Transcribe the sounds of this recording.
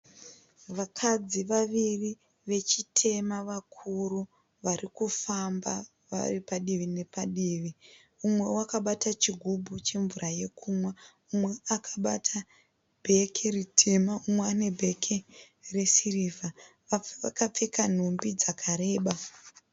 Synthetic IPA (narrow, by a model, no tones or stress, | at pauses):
ʋakʰad͡ziʋaʋiri | ʋe̞t͡ʃitʰe̞maʋakʰuru | ʋarikufamba̰ | ʋa̰ripaɗiʋine̞paɗiːʋi | umwe̞wakaɓatat͡ʃiɡʱubʱut͡ʃe̞ɱvuɾaje̞kʰumwa | umwe̞akʰaɓa̰tʰa | bʱe̞kʰeritʰemaumweane̞bʱe̞kʰe | re̞siriːva | a̰kap͡fekan̤umbid͡zakʰaɾe̞ːɓa